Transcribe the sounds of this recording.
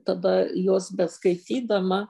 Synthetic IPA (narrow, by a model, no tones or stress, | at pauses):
t̪ɐd̪ɐjoːsbʲɛskɐɪt̪ʲiːd̪ɐmɐ